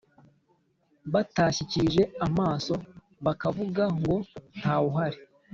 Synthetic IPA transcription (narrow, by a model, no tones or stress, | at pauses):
βataːçiciʒe̞amaːso̞ | βakavuɡaŋɡo̞ntʰaːuɦaɾi